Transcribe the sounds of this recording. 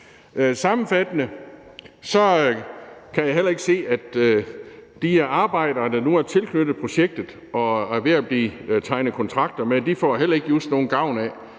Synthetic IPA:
sɑ̈mn̩fæd̥ənə | sɒ̽ | kʰæjɑɦel̰ɐe̝ɡ̥ə̥se̝̰ːæd̥ | d̥ieɐɑ̈ːb̥ɑ̈ɪ̰d̥ɐːd̥ɑ̈nuæɐt͡sʰe̝lkʰnød̥ð̩ˠpʰʁo̝ɕeɡ̥̚d̥ð̩ˠ | ɒ̽ʋeɐb̥lit͡sʰɑ̈ɪnəkʰɔ̽nt͡sʰʁɑ̈ɡ̥̚d̥ɐmed̥ifɒ̰ːɦel̰ɐe̝ɡ̥jusno̝ːn̩ɡ̥ɑ̈ʊ̰næ

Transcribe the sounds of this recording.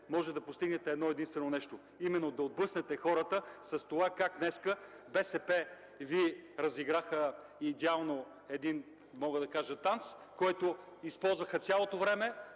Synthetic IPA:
mɔʒɛd̪ɐpost̪iɡnɛt̪ɛɛd̪nɔɛd̪inst̪vɛnonɛʃt̪o | imɛnːod̪ɐod̪̚bɤsnɛt̪ɛxɔɾət̪əsɐst̪ovakaknɛskə | bɛsɛpɛ | viɾɐziɡɾaxə | id̪ɛalˠno | ɛd̪in | mɔɡəd̪ɐkaʒət̪ant̪skɔjt̪oispɔlˠzvəxət̪sʲjalˠot̪ovɾɛmɛ

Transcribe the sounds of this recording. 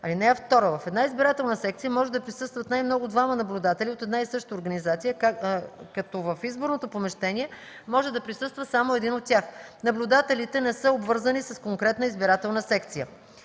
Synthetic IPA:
ɐlinɛɛft̪ɔɾəvɐfɛd̪naizbiɾat̪ɛlˠnəsɛkt̪sijəmɔʒɛd̪ɐpɾisɤst̪vət̪najmnɔɡʊd̪vamənɐblʲud̪at̪ɛlʲiot̪ɛd̪naisɤʃt̪əoɾɡɐnizat̪sijə | kɐt̪ɔvəfizboɾnot̪opomɛʃt̪ɛniɛ | mɔʒɛd̪ɐpɾisəst̪vəsamoɛd̪inot̪̚ːʲjaxnɐblʲʊd̪at̪ɛlit̪ɛnɛsɤobvɤɾzənisɐskoŋkɾɛt̪nəizbiɾat̪ɛlˠnəsɛkt̪sijə

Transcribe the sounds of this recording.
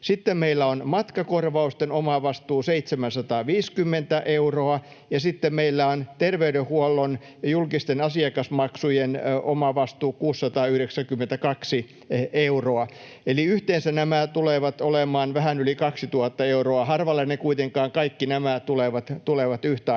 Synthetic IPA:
sit̪ːemmeilːæonmɑt̪kɑkorʋɑust̪enomɑʋɑst̪uːseit̪semænsɑt̪ɑːʋiːskymːent̪æʔeuroɑ | jɑsit̪ːemmeilːæont̪erʋeydehuolːon | julkist̪enɑsiɑkɑsmɑksujenomɑʋɑst̪uːkuːsːɑt̪ɑːyhɾeksæŋkymːent̪ækɑksi | euroɑ | eliyht̪eːnsænæmæt̪uleʋɑt̪olemɑːnʋæhænylikɑksit̪uɑt̪ːɑeuroɑhɑrʋɑlːenekuit̪eŋkɑːŋkɑikːinæmæt̪uleʋɑt̪t̪uleʋɑt̪yht̪æː

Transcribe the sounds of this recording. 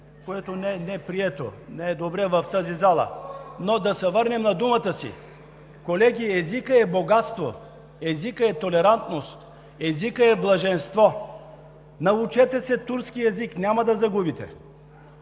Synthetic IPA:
koɛt̪onɛnɛɛpɾiɛt̪o̰nɛɛd̪obɾɛvɐft̪azizalˠə̰nod̪ɐsɛvɤɾnɛmnɐd̪umət̪əsḭ | kolɛɡʲiɛzikəɛboɡat̪st̪vo̰ | ɛzikəɛt̪olɛɾant̪nost̪ | ɛzikəɛblˠɐʒɛnst̪vɔ | nɐut͡ʃɛt̪ɛsɛt̪uɾskiɛziknʲamɐd̪ɐzɐɡubit̪ɛ̰

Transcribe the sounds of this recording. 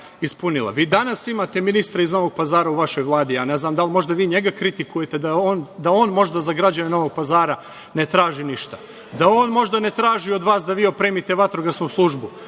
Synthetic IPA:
ispunilˠa̰ʋiːd̪anasimat̪e̞minist̪ɾaizno̞ʋo̞ɡ̚pazaːɾauʋaʃo̞jʋlˠaːd̪ijaːne̞znaːmd̪almo̞ʒd̪aʋiːɲe̞ɡakɾit̪ikuje̞t̪e̞d̪aoːnd̪ao̞ːnmo̞ʒd̪azaɡɾad͡ʑaɲeno̞ʋo̞ɡ̚pazaːɾa | ne̞t̪ɾaːʒiniʃt̪ḁ | d̪ao̞ːnmo̞ʒd̪ane̞t̪ɾaːʒio̞d̪ʋaːsd̪aʋiːo̞pɾeːmit̪e̞ʋat̪ɾoɡasnuslˠuʒbu

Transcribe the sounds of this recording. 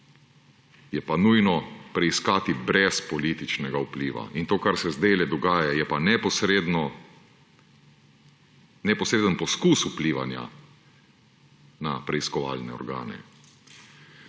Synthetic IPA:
jɛpanujnɔpɾɛiskaːt̪ibɾɛspɔliːt̪it͡ʃnɛɡaupliːʋa̰ʔint̪oːkaɾsɛzd̪eːlɛd̪ɔɡaːjajɛpanɛpɔsɾed̪nɔ | nɛpɔsɾeːd̪ənpɔskuːsupliːʋa̰nja̰ | napɾɛiskɔʋa̰ːlnɛɔ̰ɾɡa̰ːnɛ̰

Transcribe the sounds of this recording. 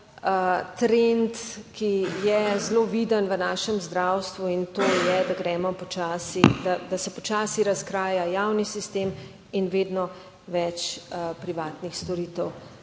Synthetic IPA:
t̪ɾent̪kijɛzloːʋid̪ənʋənaːʃɛmzd̪ɾawst̪ʋuint̪oːjɛd̪aɡɾɛːmɔpɔt͡ʃaːsid̪ad̪asɛpɔt͡ʃaːsiɾaskɾaːjajaːwnisist̪eːm | inʋeːd̪nɔ | ʋɛt͡ʃpɾiʋaːt̪nixst̪ɔɾiːt̪əw

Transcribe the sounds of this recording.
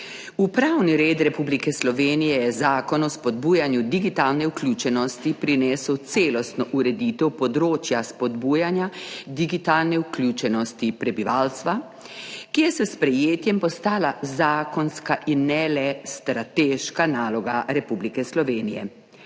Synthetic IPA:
upɾawniɾeːt̪ɾɛpublikɛslɔʋeːnijɛjɛzaːkɔnɔspɔd̪buːjanjud̪iɡit̪aːlnɛukljuːt͡ʃɛnɔst̪ipɾinɛːsəwt̪seːlɔst̪nɔʔuɾɛd̪iːt̪ɛwpɔd̪ɾoːt͡ʃjaspɔd̪buːjanjad̪iɡit̪aːlnɛuklʲjuːt͡ʃɛnɔst̪ipɾɛbiʋaːlst̪ʋa | kijɛsɛspɾɛjeːt̪jɛmpɔst̪aːlazaːkɔnskaʔinːɛlɛst̪ɾat̪eːʃkanaːlɔɡaɾɛpublikɛslɔʋeːnijɛ̰

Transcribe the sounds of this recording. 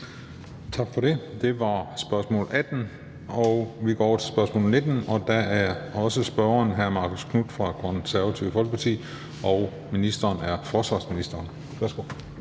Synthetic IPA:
t͡sʰɑ̈ɡ̥fɒ̽ɾe̝d̥e̝ʋɑ̈sb̥ɶɐsmɔ̰ːl̩ʔæd̥n̩ | ɒʊʋiɡ̥ɒ̰ːɒʊɐt͡sʰe̝sb̥ɶɐsmɔ̰ːl̩ne̝d̥n̩ɒ̽d̥ææɐɒ̽səsb̥ɶɐɐnɦæɐmɑ̈kʰoskʰnud̥fʁɑ̈kʰɔnsæɐʋæt͡sʰiʊəfɒlɡ̥əpʰɑ̈t͡sʰḭː | ʔɒʊ | minisd̥ɐːnæɐfɒːsʋɑ̈ːsminisd̥ɐːn | ʋæɐsɡ̥o̰

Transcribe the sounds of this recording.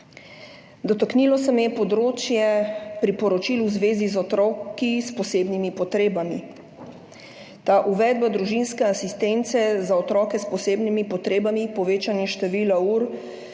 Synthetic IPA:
d̪ɔt̪ɔkniːlɔsɛmjɛpɔd̪ɾoːt͡ʃjɛpɾipɔɾɔt͡ʃiːluzʋeːzizɔt̪ɾɔːkispɔseːbnimipɔt̪ɾeːbami | t̪aʔuʋɛːd̪̚bad̪ɾuʒinskɛasist̪ent̪sɛzaɔt̪ɾɔːkɛspɔseːbnimipɔt̪ɾeːbamipɔʋeːt͡ʃanjɛʃt̪ɛʋilauɾ

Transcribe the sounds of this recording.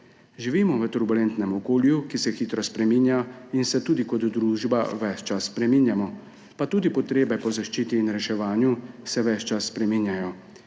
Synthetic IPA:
ʒiʋiːmɔʋət̪uɾbulɛnt̪nɛmɔkoːljukisɛxiːt̪ɾɔspɾɛmiːnjainsɛt̪uːd̪ikɔd̪ːɾuːʒbaʋɛt͡ʃt͡ʃasːpɾɛmiːnjamɔ | pat̪uːd̪ipɔt̪ɾeːbɛpɔzaʃt͡ʃiːt̪iːnɾɛʃɛʋaːnjusɛʋɛt͡ʃt͡ʃasːpɾɛminjajɔ

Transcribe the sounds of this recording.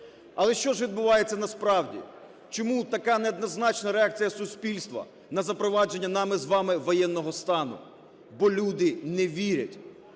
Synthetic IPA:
ɐlˠɛʃt͡ʃɔʒʋʲid̪̚bʊʋɑjet͡sʲːɐnɐspɾɑwdʲḭ | t͡ʃɔmut̪ɐkɑnɛɔd̪nɔznɑt͡ʃnɐɾeɑk̚t͡sʲijɐsʊsʲpʲilʲst̪ʋɐ̰ | nɐzɐpɾɔʋɑd͡ʒe̞nʲːɐnɑmɪzʋɑmɪʋɔjɛnːɔɦɔst̪ɑnʊ̰ | bɔlʲud̪ɪnɛʋʲiɾʲɐ̰tʲ

